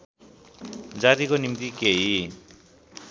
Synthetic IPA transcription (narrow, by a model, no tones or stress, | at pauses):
d͡zat̪ikonimt̪ikeɦi